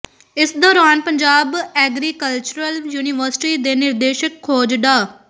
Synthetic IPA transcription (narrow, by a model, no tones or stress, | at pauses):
ɪsd̪ɔːɾaːnpəɲd͡ʒaːbɛːɡɾiːkəlt͡ʃʊɾəljuːnɪʋəɾsɪ̥ʈiːd̪eːnɪɾd̪eːʃəkʰːoːd͡ʒɖ̪aː